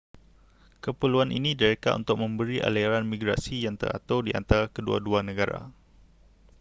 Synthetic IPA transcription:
kəpəluanʔḭnĩdəɾekaʔṵnt̪ʊk̚mə̃mbəɾiʔa̰lɛɾanmĩɡɾasijaŋt̪ə̰ɾa̰t̪awdiʔa̰nt̪aɾakədua̰duanə̃ɡaɾa̰

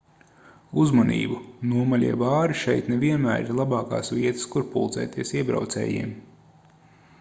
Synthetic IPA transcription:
uzmanḭːbunuɔmalʲiɛbɑːɾiʃɛjt̪nɛviɛnmæːɾiɾlˠabɑːka̰ːsviɛt̪ɨ̥skuɾpṵlˠt̪sɛ̰ːt̪iɛsiɛbɾa̰wt̪sɛ̰ːjḭɛm

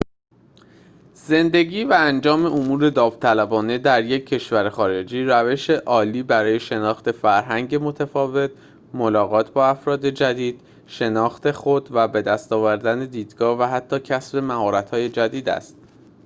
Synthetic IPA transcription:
z̥e̞nd̪e̞ɡiːvæænd͡ʒɒːme̞ʔomuːɾe̞d̪ɒːvt̪ʰælæbɒːne̞d̪æɾjecʰːe̞ʃvæɾexɒːɾe̞d͡ʒiːɾæve̞ʃe̞ʔɒːliːbæɾɒːje̞ʃe̞nɒːxt̪e̞fæɾɦæŋɟe̞mo̞t̪ʰæfɒːve̞t̪̚ʰ | mo̞lɒːɣɒːt̪ʰbɒːæfɾɒːd̪e̞d͡ʒæd̪iːd̪̥ | ʃe̞nɒːxt̪e̞xo̞d̪væbe̞d̪æst̪ɒːvæɾd̪æne̞d̪iːd̪̥ɡɒːhvæɦæt̪ʰːɒːcʰæsbe̞mæɦɒːɾæt̪hɒːje̞d͡ʒæd̪iːd̪æ̰st̪̚

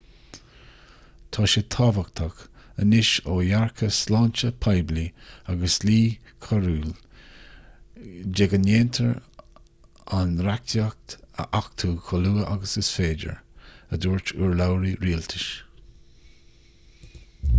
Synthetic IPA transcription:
t̪ʰɔːʃɪt̪ʰɑːvak̚t̪ʰakənɪʃoːjaɹkʰəslaːnt͡ʃəpʰajbliaɡəsliː | kʰaɹuːl | d͡ʒɛɡəneːntʰəɹ | anɾak̚t̪jak̚t̪ə̰ʔak̚t̪ʰuːkʰɔluːəʔaɡəsɪsfeːd͡ʒə̰ɹəduːɹt͡ʃuɹlawɾiɾiːlt̪ʰɪʃ

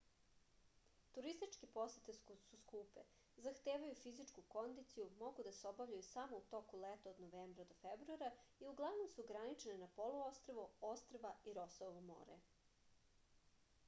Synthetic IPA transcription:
t̪uɾist̪it͡ʃkepo̞set̪esuskuːpḛ | zaxt̪eːʋajufizit͡ʂkuko̞nd̪it̪sijumo̞ɡud̪aseobavʎajusamout̪o̞kulet̪aod̪noʋeːmbɾad̪ofebɾuaɾaiuɡlˠaʋno̞msuɡɾanit͡ʃenenapoluost̪ɾoʋoost̪ɾʋaiɾo̞sooomo̰ːɾḛ

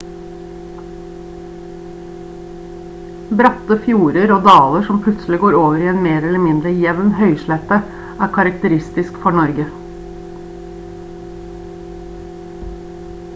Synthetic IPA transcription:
bɾɑt̪əfjuːɾəɾoːd̪ɑːləʃɔmpʰlʉt̪slɪɡoːɾoːʋəɾiːeːnmeːɾɛləmɪnd̪ɾəjɛʋnhœʏʃlɛt̪ə | æːkʰɑɾɑkt̪əɾɪst̪ɪskfɔɳɔɾɡə

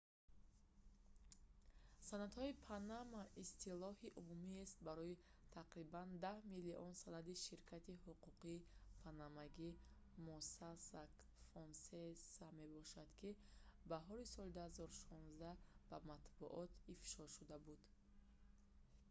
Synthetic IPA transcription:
sanad̪hɔipʰanamaʔist̪ʰilɔhiʔumumiest̪̚baɾɔi | t̪ʰaqɾiband̪ahmiliʔɔnsanad̪iʃiɾkʰat̪ihuquqiːpʰanamaɡi | mɔsasak | fɔnsesame̞bɔʃad̪kʰibaɦɔɾisɔlid̪uhazɔɾuʃɔ̃nzd̪ab̥amat̪bṵʔɔt̪ʰifʃɔʃud̪abud̪̥

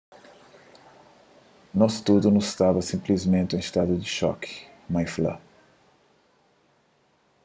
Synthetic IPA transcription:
nɔst̪ud̪ʊnʊsst̪avɐsĩmplizmẽnt̪ɪẽst̪ad̪ʊd̪ɪʃɔ̰kɪ̥ | majflɐ̰

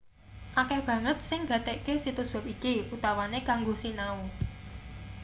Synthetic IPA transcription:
ʔakɛb̥ä̤ŋət̪̚sɪŋɡä̤t̪ekesit̪ʊsb̥a̤p̚ikiut̪awanekaŋɡosinau

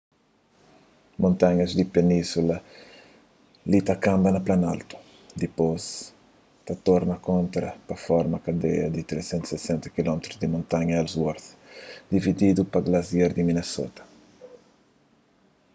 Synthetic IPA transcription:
mõnt̪ãɲɐzd̪ipenĩsulɐ | lit̪ɐkãmbɐnɐplanalt̪u̥ | d̪ipos | t̪ɐt̪ɔɾnɐkõnt̪ɾɐpɐfɔɾmɐkɐd̪ḛɐd̪it̪ɾesẽnt̪usesẽnt̪ukilɔmet̪ɾuzd̪imõnt̪aɲɐɛlzwɔɾθd̪ivid̪id̪upɐɡlɐzjeɾd̪imineso̰t̪ɐ̥

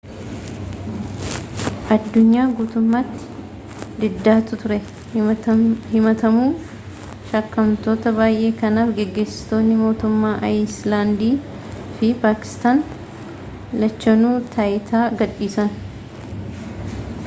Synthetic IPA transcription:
ʔɐd̪ːʊɲːaːɡuːt̪ʊmːaːt̪ːɪ̥ | d̪ɪd̪ːaːt̪ʊt̪ʊɾɛ | hɪmɐt̪ɐmuː | ʃɐkːɐmt̪o̞ːt̪ɐbaːjʔe̞ːkɐnaːfɡɛɡːe̞ːsɪ̥st̪o̞ːnːɪmo̞ːt̪ʊmːaːʔɐjslaːnd̪iː | fɪpaːkɪ̥st̪aːn | lɐt͡ʃːɐnuːt̪ʰɐʔɪt̪ʰaːɡɐᶑːiːsɐn

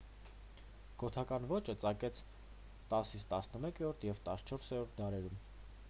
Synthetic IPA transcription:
ɡ̥ɔt̪ʰɑkɑnvɔt͡ʃət͡sɑkɛt͡sʰ | t̪ɑsit͡sʰt̪ɑsnəmɛkɛɾɔɾt̪ʰjɛvt̪ɑst͡ʃʰɔɾsɛɾɔɾt̪̚ʰd̪ɑɾɛɾum

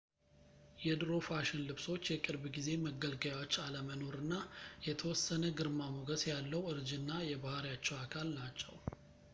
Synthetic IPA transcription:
jɛd̪ɾo̞faʃɪnlɨβso̞t͡ʃːjɛkʼɨɾbɡize̞məɡəlɡajawot͡ʃːaləməno̞ɾɨnːajɛt̪ʰəwɔsːənəɡɨɾmamoɡəsjalːəwɨɾd͡ʒɨnːajɛbahaɾijat͡ʃːɛwakʰalnat͡ʃːɛw

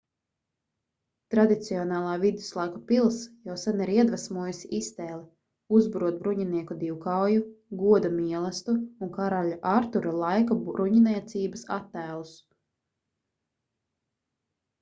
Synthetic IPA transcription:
t̪ɾad̪it̪siɔnɑːlˠɑːvid̪u̥slˠajkupilˠsjawsaniɾiɛd̪vasmuɔjusiʔist̪ɛːlˠi | uzbɾuɔt̪̚bɾuɲiniɛkud̪iwkawjuɡuɔd̪amiɛlˠast̪uuŋkaɾaʎuʔaɾt̪uɾalˠajkaɾuɲinɛɛt̪sʲiːbasa̰t̪ːæːlˠus

